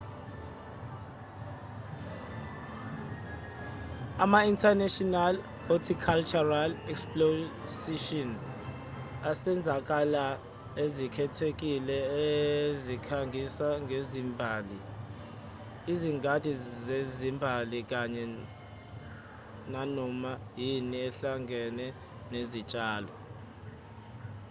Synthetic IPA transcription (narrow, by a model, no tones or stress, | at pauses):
amaintʰanɛʃɔnal | hotʰikʰalt͡ʃʰʼuralɛksplosiʃɔn | asɛnd͡zʱak̬ala | ezikʰɛtʰek̬ʼilɛezikʰaŋɡʱisaŋʱezimbʱaːli | iziŋɡad̥ʱʼizezimbʱalik̬ʼaɲɛ | nanɔmajiniɛɬaŋɡʱɛnɛ | nezit͡ʃʼaːlɔ̰